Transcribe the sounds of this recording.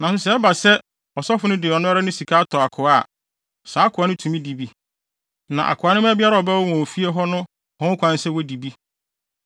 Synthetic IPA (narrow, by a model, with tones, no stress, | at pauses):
nã˨sʊ˦sɛ˨ɛ˦ba˨sɛ˦ | ɔ˨sɔ˦fʊ˨˦nʊ̃˦dɪ˨ɔ˨nʊ̃˦a˦ɾa˦nʊ̃˦si˨kʰa˦tʰɔ˨a˨kʰʊ˨a̰˦˨ | saː˨˦kʰʊ˨a˨nʊ̃˦tʰũ˨mĩ˦di˨bi˦ | nã̰˨ʔa̰˨kʰʊ˨a˨nʊ̃˦m˦æ˦bɪ˦a˦ɾa˦ɔ˨bɛ˦wɔ˦wɔ̃˨o˨fi˦e˦ɦɔ˦nʊ̃˦ | hɔ̃˦kʷʰã˦n̩˦sɛ˦˨wo˦di˨bi˦